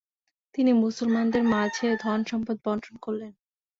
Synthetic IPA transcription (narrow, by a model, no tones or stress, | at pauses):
t̪inimusolmand̪eɾmad͡ʑʱed̪ʱɔnʃɔmpod̪̚bɔnt̪ʰɾonkoɾlen